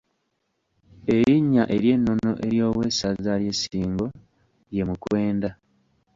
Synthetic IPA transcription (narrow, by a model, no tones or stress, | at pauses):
e̞ɾiɲːaʔe̞ɾje̞nːo̞no̞ʔe̞ɾjo̞ːwe̞ːsazaɾje̞siːŋɡo̞ | je̞mukwe̞ːnda